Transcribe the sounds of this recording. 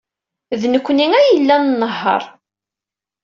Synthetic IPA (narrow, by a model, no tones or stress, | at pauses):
ðnəkʷːniŋæjəlːænnːəɦːə̰ɾˤ